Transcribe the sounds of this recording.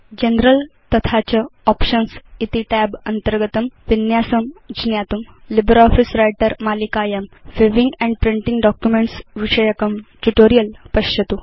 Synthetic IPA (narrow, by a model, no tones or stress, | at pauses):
d͡ʑenɾəlt̪ət̪ʰat͡ɕəɔpɕənsit̪iʈɛbənt̪əɾɡət̪əmʋinjasəmd͡ʑinjat̪um | libəɾɔfisɾajʈəɾmalikajamʋeʋiŋɡɛ̃ɳɖpɾiɳʈĩŋɡɖɔkjumeɳʈsʋiʂəjəkəmʈuʈoɾijəlpəɕət̪u